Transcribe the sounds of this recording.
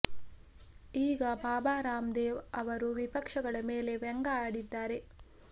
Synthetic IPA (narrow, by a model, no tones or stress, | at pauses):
iːɡɐbaːbaːɾaːmd̪eːʋɐʋɐɾuʋipɐkʂɐɡɐɭɐmeːle̞ʋɛŋɡɐaːɽid̪ːaːɾe̞